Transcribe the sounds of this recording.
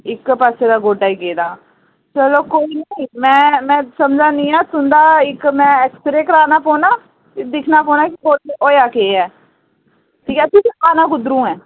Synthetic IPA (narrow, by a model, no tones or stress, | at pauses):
ɪkpaːseːd̪aːɡoːɖaːiːkeːd̪aː | t͡ʃəloːkoːiːnəiːmɛ̃ːmɛ̃ːsəmd͡ʒãːnĩːaːt̪ʊnd̪aːɪkmɛ̃ːɛkst̪əɾeːkəɾaːnaːpoːnaː | ɪd̪ɪkʰnaːpoːnaːkɪɡoːʈoːjaːkeːɛː | ʈʰiːkɛːt̪ʊsaːnãːɡʊd̪ɾũːɛː